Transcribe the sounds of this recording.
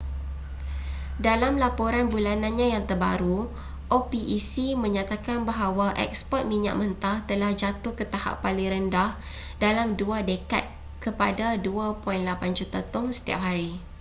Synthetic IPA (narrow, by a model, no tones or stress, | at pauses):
dalamlapoɾanbulanãnɲãjaŋt̪ərba̰ɾu | ʔopiʔisimə̃ɲat̪akanbaɦawaʔɛ̰k̚spɔt̪̚mĩɲa̰ʔ̚mənt̪at̪əlahd͡ʒat̪ʊhkət̪aha̰ʔpːalɪŋɾəndah | dalamduadəka̰t̪̚ | kəpadaduapɔinlapand͡ʒut̪at̪ʊŋsə̥t̪ia̰p̚ɦaɾi